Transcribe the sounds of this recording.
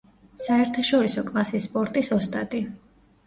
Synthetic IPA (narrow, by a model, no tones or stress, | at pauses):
saɛɾt̪ʰaʃɔɾisɔkʼlˠasisːpʼɔɾt̪ʼisɔst̪ʼad̪ʼi